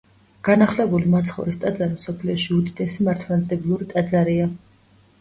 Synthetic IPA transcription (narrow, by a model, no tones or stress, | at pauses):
ɡ̥anaχlɛbulimat̪sʰχɔ̰ɾist̪ʼad̪zaɾimsɔpʰliɔʃiud̪it̪ʼɛsimaɾt̪ʰmɛld̪ʼɛblˠuɾit̪ʼad̪zaɾia